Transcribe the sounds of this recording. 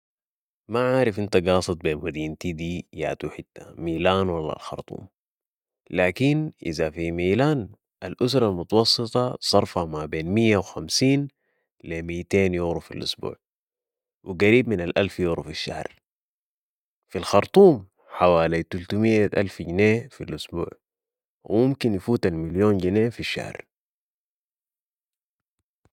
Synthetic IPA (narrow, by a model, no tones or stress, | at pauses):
maʕaːɾifʔint̪aɡɑːsˤɨt̪̚ˤbeːnmad̪iːnt̪iːd̪iːja̰ːt̪uħit̪ːamiːlaːnwalːa̰lxɑ̰ɾˤt̪ˤṵːm | laːkinʔḭzafimiːlaːn | ʔalʔusɾˤɑlmut̪ɑwɑsˤːɨt̪ˤɑsˤɑɾˤfamabeːnmijːawxamsiːn | lemiːt̪eːnjuɣɾufḭlʔṵsbṵːʕ | wḭɡaɾiːbminalʔalfjuɣɾufiʃːa̰hɾ | filxɑɾˤt̪ˤuːm | ħawaːlit̪ult̪umijːaʔa̰lfɟneːfilʔusbṵːʕ | wḭmumkinjifuːt̪almiljoːnɟineːfiʃːa̰hɾ